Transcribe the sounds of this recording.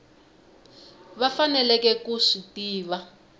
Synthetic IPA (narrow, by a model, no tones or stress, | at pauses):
βafanɛlɛkɛkuʂitiːβa